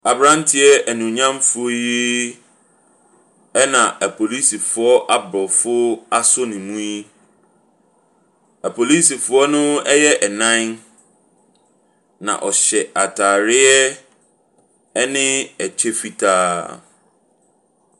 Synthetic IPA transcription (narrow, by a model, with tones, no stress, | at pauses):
a˨bɾã˦n˦tʰɪ˦ɛ˦æ˨nũ˨ɲã˦m˦fʊ˦ɔ˦ji˦ | ɛ˦nã˨ʔæ˨pʰo˨li˦si˨fʊ˨ɔ˦ʔa˦bɾɔ˨fʊ˦a˦sʊ˦nɪ̃˨mũ˦i˦ | æ˨pʰo˨li˦si˨fʊ˨˦ɔ˦nʊ̃˦ɛ˦jɛ˦ʔɛ˨nã˦n | nã̰˨ʔɔ˨ɕɛ˨ʔa˨tʰaː˨ɾɪ˦ɛ˦ | ɛ˦nɪ̃˦ɛ˨t͡ɕʰᶣe˦fi˦tʰaː˦